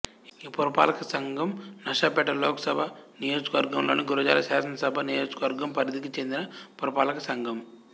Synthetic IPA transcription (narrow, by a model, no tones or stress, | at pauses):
iːpuɾɐpa̰ːlɐkɐsɐŋɡʱɐmnɐʂɐpɛʈːɐloːkɐ̥sɐbʱɐnijoːd͡ʒɐkɐʋɐɾɡɐmlo̰ːniɡuɾɐd͡ʒa̰ːlɐsaːsɐnɐsɐbʱɐnijo̞ːd͡ʒɐ̥kɐʋɐɾɡɐmpɐɾid̪ikit͡ʃe̞nd̪inɐpɔɾɐpaːlɐkɐsɐŋɡʱɐm